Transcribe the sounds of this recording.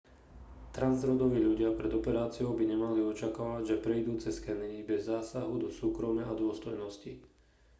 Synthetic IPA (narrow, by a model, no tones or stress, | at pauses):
t̪ɾanzɾɔd̪ɔʋiːʎuɟɪapɾɛd̪ɔpɛɾaːt͡siɔʊbiɲɛmaliɔt͡ʃakaːʋaɟʒɛpɾɛjd̪uːt͡sɛskɛnibɛzːaːsaɦud̪ɔsuːkɾɔmjaad̪ʊɔst̪ɔjnɔsci